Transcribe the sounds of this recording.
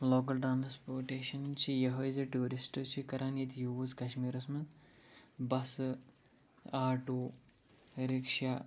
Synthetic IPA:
loːk̬ɐlʈɾaːnspoːɾʈeːʃɐnt͡ʃʰijɐɦojzɐʈuːɾisʈɨt͡ʃʰikɐɾʔaːnjit̪juʋuzkɐʃmiːɾɐsmɐ | bɐs | aːʈuː | ɾikʂa

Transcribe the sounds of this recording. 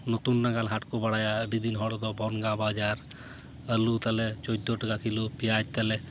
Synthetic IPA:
nɔt̪unːaɡalɦaʈkɔbaɽajaəɖid̪inɦɔɽd̪ɔbɔnɡabad͡ʒaɾ | əlut̪alɛt͡ʃɔd̪ɔʈaɡakilupijat̚t̪alɛ

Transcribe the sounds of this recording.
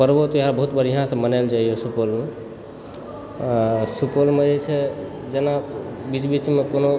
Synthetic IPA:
pəɾbot̪ɔjɦaɾbəɦut̪̚bəɾiɦãsə̃mənald͡ʒaijosupolme | supolmed͡ʒet͡ʃʰɛ | d͡ʒenabit͡ʃbit͡ʃmekono

